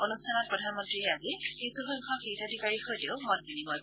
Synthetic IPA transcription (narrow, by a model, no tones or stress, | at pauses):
onustʰanɔt̚pɹɔdʱanmɔ̃ntɹiɛazi | kisuxɔŋkʰɔxitadʱikaɹixɔjteʊmɔt̚binimɔj